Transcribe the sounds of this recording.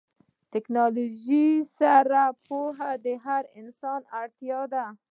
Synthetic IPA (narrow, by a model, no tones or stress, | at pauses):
tɪknɑluʒisaɾapoɦad̪əɦaɾɪnsɑnaɽt̪jɑd̪a